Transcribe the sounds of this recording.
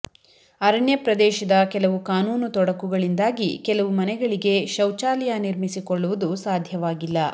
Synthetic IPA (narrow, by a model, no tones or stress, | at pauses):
ɐɾɐɳjɐpɾɐd̪ɛːʃɐd̪ɐkɛlɐʋukaːnuːnut̪ɔɽɐkuɡɐɭind̪aːɡikɛlɐʋumɐnɛɡɐɭiɡe̞ʃɐwt͡ʃaːljaniɾmisikɔɭːuʋɐd̪usaːd̪ʱjɐʋaːɡilːɐ